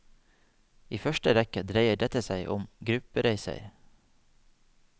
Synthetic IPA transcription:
iːfœʃʈəʋɛkəd̪ɾeɪəɖɛt̪əsæɪʔʊmɡɾʉpəɾeɪsə̰ɪ

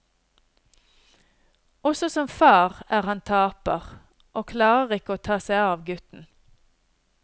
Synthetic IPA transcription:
ʔɔsɔsɔmfɑːʁæːʁhɑnt̪ʰɑːpə̰ʁ | ʔoːkʰlɑːʁəʁɪkəoːt̪ʰɑːsæɪɑːʋɡʉt̪n̩

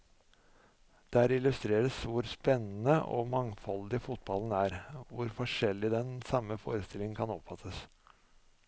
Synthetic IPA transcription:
d̪̥æːɾɪlʉst̪ɾeːɾəsʋʊɾspɛnːn̩əʔɔ̰ːmɑŋfɔld̪ɪfʊt̪̚bɑln̩æːɾʋʊɾfɔʂɛlːɪd̪ɛnsɑmːəfo̰ːɾəst̪ɪlɪŋn̩kʰɑnɔpfɑt̪ʰːəs

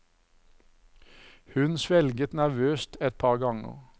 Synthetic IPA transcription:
hʉnsʋɛlɡət̪næʁʋøːst̪ɛt̪̚pʰɑːʁɡɑŋə̰ʁ

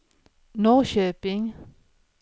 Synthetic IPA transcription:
noːʃøːpɪŋ

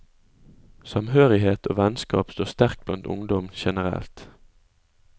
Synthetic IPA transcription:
sɑmhøːʁɪheːt̪ʰo̰ːʋɛnskɑ̰ːpst̪oːʁst̪æʁk̚blɑnt̪ʊ̰ŋd̪ɔmʃɛnəʁɛ̰lt̪

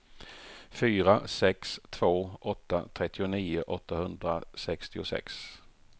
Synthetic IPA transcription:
fyːɾasɛkst̪ʰv̥oːʔɔt̪ːa̰t̪ʰɾɛt̪ːɪʊniːʊʔɔt̪ːahɵnd̪ɾasɛkst̪ɪʊsɛ̰ks

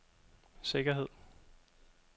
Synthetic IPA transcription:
se̝ɡ̥ɐɦe̝ð̰ˠ

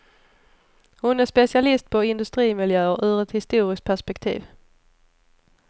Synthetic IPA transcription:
hʊnæʁspɛsɪalɪst̪̚pʰɔɪnd̪ɵst̪ʁiːmɪljøːəʔʉðʁət̪hɪst̪uːʁɪsk̚pʰæspɛkt̪ʰḭːv

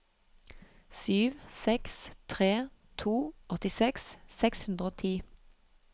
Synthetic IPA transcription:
syːʋsɛkst̪ʰʁeːt̪ʰuːɔt̪ɪsɛkssɛkshʉnd̪ʁəoːt̪ʰiː

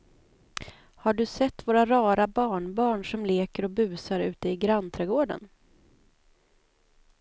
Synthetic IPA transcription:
haɖɵsɛt̪ːvoːɾaɾɑːɾabɑːɳbɑːɳʂɔmleːkəɾɔbʉ̟ːsaɾʉ̟̰ːt̪əɪɡɾant̪ʰɾɛɡoːɖə̰n

